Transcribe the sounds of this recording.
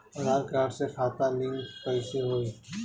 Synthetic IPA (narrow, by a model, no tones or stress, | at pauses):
ɐɾaːɾkɾaːʈsekʰaːt̪alɪ̃ŋkpɐɪseɦoːiː